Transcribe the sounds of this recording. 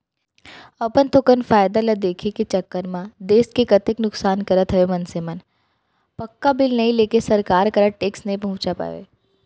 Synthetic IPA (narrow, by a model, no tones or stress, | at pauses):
ɐpənt̪ʰokənfaːjd̪alɐd̪eːkʰikit͡ʃɐkːəɾmãd̪eːskekɐt̪ɪknʊksaːnkəɾət̪ɦɐʋemɐnsemən | pɐkːabɪlnɐɦĩleːkesɐɾkaːɾkɐɾəʈeːksnɐĩpɐɦʊ̃t͡ʃapa̰ʋḛ